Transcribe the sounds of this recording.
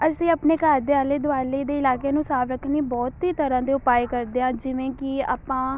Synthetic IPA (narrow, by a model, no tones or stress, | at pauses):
əsĩːəpneːkaːɾd̪eaːleːd̪ʊaːleːd̪eːɪlaːkeːnũːsaːfɾəkʰːniːbɔːt̪iːt̪əɾãːd̪eːʊpaːeːkəɾd̪eːɦãːd͡ʒɪʋẽːkɪa̰ːpãː